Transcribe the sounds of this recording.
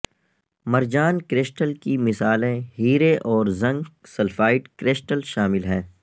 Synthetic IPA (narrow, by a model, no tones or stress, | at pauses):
mɐɾd͡ʒaːnkɾɪːsʈəlkimɪsaːlẽɦiːɾeʔɔːɾzɐ̃ŋɡsɐlfaːɪʈkɾeːsʈəlʃaːmɪlɦɛː